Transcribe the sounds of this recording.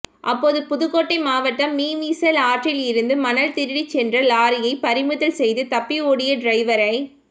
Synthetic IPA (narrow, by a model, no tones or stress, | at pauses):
ʔɐpːoːðɯpʊðɯɣoːʈːɐɪmaːʋɐʈːɐmːiːmiːsɐlaːʈrɪlɪɾɯnd̪ɯmɐnɐlt̪ɪɾɪɽit͡ʃːɛndrɐlaːɾɪjɐɪpɐɾɪmɯðɐlsɛjðɯt̪ɐpːioːɽɪjɐɖɾɐɪʋɐɾɐɪ